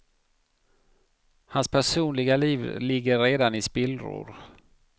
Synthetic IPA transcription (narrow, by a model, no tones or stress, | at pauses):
hanspʰæʂuːnlɪɡaliːvlɪɡːəɾɾeːd̪anɪspɪlɾʊ̰ɾ